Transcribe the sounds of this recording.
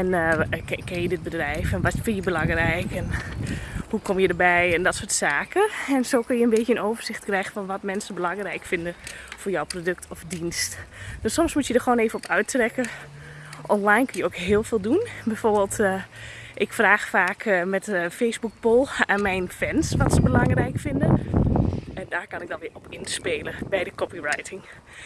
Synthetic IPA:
ɛn | kɛnjədɪt̚bədrɛjfɛnʋɔtfɪnjəbəlɑŋrɛjkɛn | hukʰɔmjədəbɛjɛndɔtsoːtsaːkəɛnsoːkønjənbeːtənowvərz̥ɪxtkrɛjɣənfɔnʋɔtmɛnsəbəlɑŋrɛjkfɪndəfʊːrjɔwprodøk̚tʰɔfdinstd̥ɔsɔmsmutjədəxʋoːneːvənɔpœɥtrɛkə | ʔɔnlajnkønjəowkɦɪːlˠv̥ɪːlˠdunbɛjfoːrbeːlˠt | ʔɪkfraːxfaːkmɛtfejsbuk̚polˠaːnmɛjnfɛnsʋɔtsəbəlɑŋrɛjkfɪndə | ɛndaːrkɔnɪɡ̚dɔnʋɪɔpɪnspeːləbɛjdəkɔpirajtʰɪŋ

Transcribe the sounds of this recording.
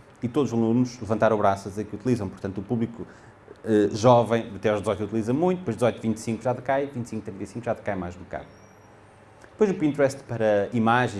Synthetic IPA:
it̪oðuzɐlˠunʃlˠɨvɐ̃nt̪aɾoβɾasɐzẽkut̪ilˠizɐ̃w̃puɾt̪ɐ̃nt̪upuβlˠiku | ɛʒɔvɐ̃j̃d̪ɐt̪ɛawʒd̪zɔjt̪ut̪ilˠizɐmũj̃t̪ud̪pojʒd̪zɔjt̪vĩnt̪sĩŋkuʒaðɨkajvĩnt̪sĩŋkut̪ɾĩnt̪ɐjsĩŋkuʒaðkajmajʒβuka̰ð | d̪pojzupĩnt̪ɾɛst̪pɐɾɐimaʒẽ

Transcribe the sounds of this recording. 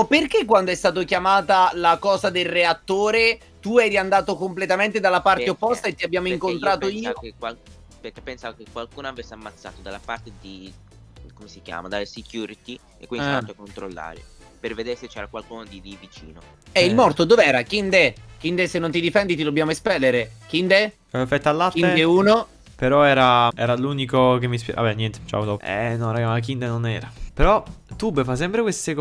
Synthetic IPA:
ɔpːerkek̬ːwand̪oɛst̪aːt̪̬okjamaːt̪alakɔːzad̪elreat̪ːoːɾe | t̪uɛjɾiand̪aːt̪okomplet̪ament̪ed̪alːapart̪eopːɔst̪aet̪ːiabːjaːmoiŋkonnt̪ɾaːt̪oiːaokwal | perkːepːensaːvakekwalkuːnoavesːeamːat̪sːa̰ːt̪od̪alːapart̪ed̪i | komesikja̰ːmad̪alːesikjuːɾit̪i | ḛkːwinst̪oakːont̪ɾolːa̰ɾḛ | perved̪eːɾeset͡ʃːɛːɾakwalkuːnod̪id̪ivit͡ʃḭːno | ɛilmɔrt̪od̪oːveɛːɾakind̪ek̟ind̪esenːont̪id̪ifɛnd̪it̪̬id̪obːjaːmoespɛlːeɾek̟ind̪e | ɛfɛt̪ːalːatined̪euːno | peɾɔɛːɾaɛ̰ːɾaluːnikok̟emːispjɛ̰a̰bɛnːjɛnt̪e̥t͡ʃa̰wot̪ɔɛ̰nɔɾaɡamak̬ind̪enonɛːɾapeɾɔt̪ubefas̬ɛmpɾekwest̪ek

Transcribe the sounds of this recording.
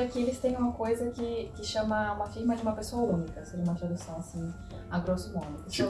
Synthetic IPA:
ɐkɪelɪst̪ẽj̃ũmɐkojzɐkɪkɪʃɐ̃mɐũmɐfiɾmɐd͡ʒɪũmɐpesoɐũnikɐseɾũmɐt̪ɾad̪usɐ̃w̃asĩ | aɡɾosʊmõnʊ

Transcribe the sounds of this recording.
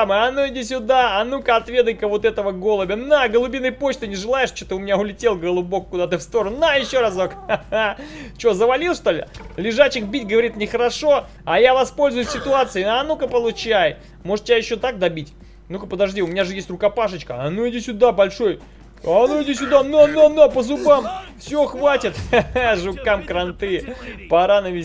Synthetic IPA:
mɨɐnoɪdʲisʲʊd̪aɐnukəɐt̪vʲe̞d̪əjkəvo̞t̪ɛt̪əvəɡo̞lˠəbʲɪnaɡəlˠʊbʲinːəjpot͡ɕt̪ɨnʲɪʐɨlˠajɪʂt͡ɕot̪ɨʊmʲɪnʲaʊlʲɪtʲelˠɡəlˠʊbo̞kkːʊd̪at̪ɨfst̪o̞ɾənajɪɕːo̞ɾasokat͡ɕozəvɐlʲilˠʂt̪olʲɪ̰lʲɪʐat͡ɕɪkbʲitʲɡəvɐɾʲit̪nʲɪxəɾɐʂo̞ | ɐjavɐspo̞lʲzʊjʊsʲɪt̪ʊat̪sɨɪanukəpəlˠʊt͡ɕaj | mo̞ʐɨt̪tʲɪbʲajɪɕːot̪ak̚d̪ɐbʲitʲ | nukəpəd̪ɐʐdʲiʊmʲɪnʲaʐɨjesʲtʲrʊkɐpaʂɨt͡ɕkəɐnuɪdʲisʲʊd̪abɐlʲʂo̞j | ɐnuɪdʲisʲʊd̪anuɐnɐnapəzʊbamfsʲoxvatʲɪt̪ʐʊkamkɾɐnt̪ɨpɐɾanəvʲɪ

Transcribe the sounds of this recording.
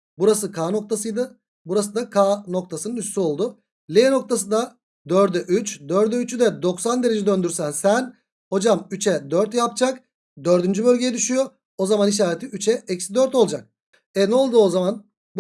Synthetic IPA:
buɾasɯkʰaːno̞k̚t̪ʰas̬ɯjd̪ɯ | buɾasɯd̪akʰano̞kt̪ʰasɯnɯnyt͡ʃsyo̞lˠd̪ʊ | lʲeeno̞k̚t̪ʰasɯd̪a | d̪øɾd̪ɛʔyt͡ʃd̪øɾd̪ɛyt͡ʃʰyd̪ɛd̪o̞ksand̪eɾe̞d͡ʒɛd̪ø̞nd̪yɾsænsæn | ho̞d͡ʒamyt͡ʃʰɛd̪øɾt̪jap̚d͡ʒak | d̪ø̞ɾd̪ynd͡ʒybølʲɟe̞jɛd̪yʃyjo | ozamaniʃ̬aːɾet̪ʰiyt͡ʃʰɛɛcsd̪øɾt̪o̞lˠd͡ʒak̚ | ɛnɛolˠd̪uozaman | b

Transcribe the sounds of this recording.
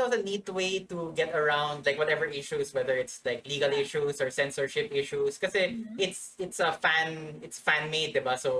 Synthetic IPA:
ozənid̚t̪weɪt̪uɡɛt̪əɹãʊ̃nd̪̚laɪkwɔt̪ɛvəɹʔɪʃuswɛðəɹɪt̪slaɪkliːɡɐlɪʃusɔɹsɛ̃nsəɹʃɪpɪʃuskɐsɛɪt̪sɪt̪sɐfæ̃nɪt̪sfæ̃nmeɪd̪̚ːɪbaso

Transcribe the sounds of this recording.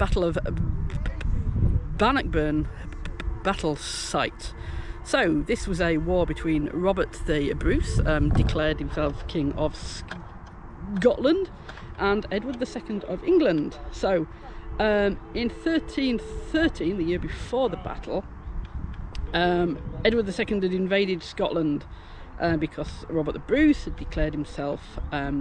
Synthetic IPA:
b̥atˡl̩ˠəv | banək̚b̥ɜːn | b̥atʰˡl̩ˠsaɪtsoʊðɪswɒzəwɔːbɪtʰw̥ĩːnɹɒbə˞ʔðiəbɹʉˑsʌ̃mdɪkʰl̥ɛːd̚hɪ̃msɛlˠfkʰɪ̃ŋə̰v̥s | ɡɒʔlə̃nd | ʔə̃nɛdwəd̪̚ðəsɛkə̃n̩dəvɪ̃ŋɡlə̃nd̥soʊ | ʌmɪ̃nθɜˑtʰĩnθɜˑtʰĩnðɨjɪəbɪfɔːðəba̰tʰˡl̩ˠ | ʌ̃mɛdwəd̪̚ðəsɛkə̃ndɨɾɪ̃ɱveɪɾɪd̥skɒʔlə̃nd̥ | ʔʌbɪkʰɒz̥ɹɒbə˞ʔðəbɹʉˑshədɪkʰl̥ɛːd̚hɪ̃msɛlˠfʌ̃m

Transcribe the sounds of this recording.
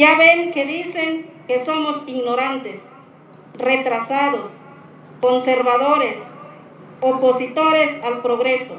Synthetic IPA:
jaβeŋkeðiseŋkesomosiɣnoɾant̪es | ret̪ɾasaðos | konseɾβaðoɾes | oposit̪oɾesalpɾoɣɾeso

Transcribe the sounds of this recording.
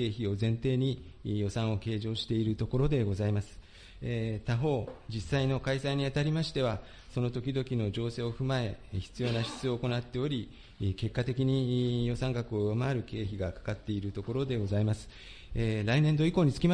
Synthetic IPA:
ke̞ːçio̞zẽ̞nt̪e̞ːɲ̟i | jo̞sãɰ̃o̞ke̞ːʑo̞ːɕi̥t̪e̞iɾɯ̟t̪o̞ko̞ɾo̞d̪e̞ɡo̞zaimasɨ̥ | t̪aɦo̞ːd͡ʑisaino̞kaisaiɲ̟iat̪aɾʲimaɕi̥t̪e̞βa | so̞no̞t̪o̞kʲid̪o̞kʲino̞d͡ʑo̞ːse̞ːo̞ɸɯ̟mae̞çi̥t͡sɨjo̞ːnaɕi̥t͡sɨo̞ːko̞nat̪ːe̞o̞ɾʲi | ke̞kːat̪e̞kʲiɲ̟ijo̞sãŋkakɯ̟o̞jomaːɾɯ̟ke̞ːçiɡakḁkat̪ːe̞iɾɯ̟t̪o̞ko̞ɾo̞d̪e̞ɡo̞zaimasɨ̥ | ɾaine̞nd̪o̞iko̞ːɲ̟it͡sɨ̥kʲima

